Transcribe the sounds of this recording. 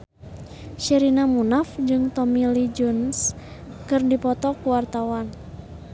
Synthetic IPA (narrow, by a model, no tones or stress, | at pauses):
ʃiɾinamunafd͡ʒɨŋt̪ɔmilid͡ʒɔns | kɨrdipɔt̪ɔkuwart̪awan